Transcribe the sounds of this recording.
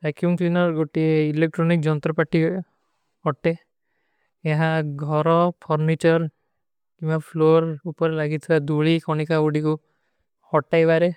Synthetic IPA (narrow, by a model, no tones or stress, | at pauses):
ɾakʰjuŋklinɔɾɡoʈieilek̚ʈɾɔnik̚d͡ʒɔnt̪ɾɔpaʈi | ɔʈe | eɦãɡʱɔɾɔpʰɔɾnit͡ʃɔɾ | kĩapʰloɾupɔɾelaɡit̪ʰiad̪uɭikɔnikauɖiku | hɔʈajbaɾe